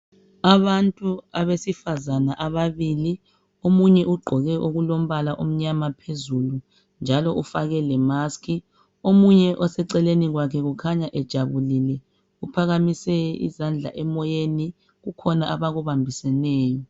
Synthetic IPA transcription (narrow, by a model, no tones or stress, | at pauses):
aβantʼuaβesifazanaʔaβaβili | omuɲɛʔuɡ͡ǃʱɔɣɛʔoɣulom̩βalaʔum̩ɲamapʰezulu | nd͡ʒʱalɔʔufaɣɛlɛmaskʰi | omuɲɛʔɔsɛǀɛleniɣwakʰɛɣukʰaɲaʔɛd̥ʒ̥ʱaβulilɛ | upʰaɣamisɛḭzand͡ɮʱa̰ʔɛmɔjeni | ɣukʰɔnaʔaβaɣuβambʱisɛnɛːjɔ